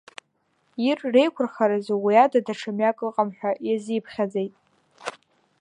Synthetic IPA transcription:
irːe̞jkʷʰʊrχaɾazowiadadaʈ͡ʂʰamjakʼɨqʼamħʷᶣajazijpʰχʲad͡ze̞jtʼ

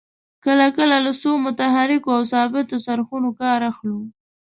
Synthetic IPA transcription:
kəlakəlaləsomʊt̪aɦaɾɪkoawsɑbɪt̪osaɾxunokɑɾaxlu

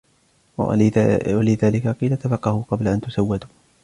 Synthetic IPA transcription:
alɪðaːlɪkaqiːlat̪afɑqːɑhʊqɑblaʔant̪ʊsawːad̪u

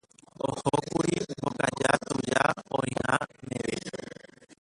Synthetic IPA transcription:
ohokuɾibokad͡ʒat̪ud͡ʒaõjĩhãnẽʋe

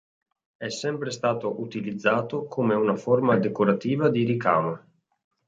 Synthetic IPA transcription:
ɛsːɛmpɾest̪aːt̪oʔut̪ilid̪zːaːt̪okʰoːmeunaformad̪ekoɾat̪iːvad̪iɾikaːma

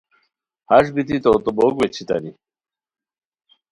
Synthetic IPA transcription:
haʂ̬bit̪it̪ot̪obokwet͡ɕʰit̪ɐ̰ni

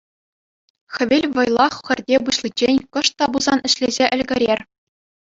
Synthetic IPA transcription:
xʲɘ̆ʋʲelʲʋɤ̆jlˠɑχxʲɘ̆rʲdʲebɯɕlˠit͡ɕːenʲkɤ̆ʂt̪ːɑbuzɑnɘ̆ɕlʲezʲeʔɘ̆lʲɡʲɘ̆ɾʲerʲ

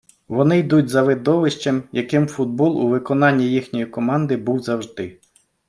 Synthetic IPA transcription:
ʋɔnɪjd̪utʲzɐʋɪd̪ɔʋɪʃt͡ʃemjɐkɪmfud̪̚bɔlˠuʋɪkɔnɑnʲːijixnʲɔjikɔmɑnd̪ɪbuwzɐwʒd̪ɪ

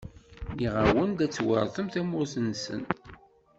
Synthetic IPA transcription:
niʁawənd̪æt͡sːwə̰ɾˤθˤəmθæmʊɾθənsə̰n

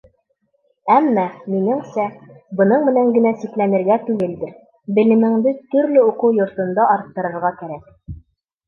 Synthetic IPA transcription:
æmːæminɘŋsæbɤ̆nɤɴmɘ̆næŋɡɘ̆næsiklænɘ̆ɾɡæt̪ʉɡɘld̪ɘ̆ɾ | bɘ̆lɘ̆mɘ̆ŋd̪ɘt̪ɵ̆ɾlɘuqɤwjŏɾt̪ɤ̆nd̪ɑʔɑɾt̪ːɤ̆ɾɤ̆ɾʁɑkæɾæk̚

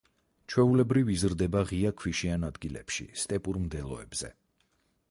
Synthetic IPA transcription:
t͡ʃʰwɛulɛbɾivizɾd̪ɛbaʁiakʰwiʃianad̪ɡilɛ̰pʃḭst̪ʼɛpʼuɾmd̪ɛlˠɔ̰ɛ̰bz̥ɛ̰

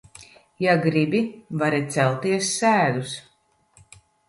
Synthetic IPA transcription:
jaɡɾibivaɾit̪sɛlˠt̪iɛsːæːd̪us

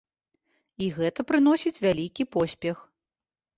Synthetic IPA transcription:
iɣɛt̪ɐpɾɨn̪ɔsʲit͡sʲvʲalʲikʲipɔsʲpʲɛx

